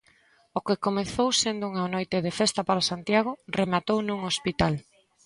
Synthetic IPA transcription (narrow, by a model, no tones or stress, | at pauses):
okekomeθowsend̪ouŋanojt̪eðefest̪apaɾasant̪jaɣ̞ʊremat̪ownuŋospit̪al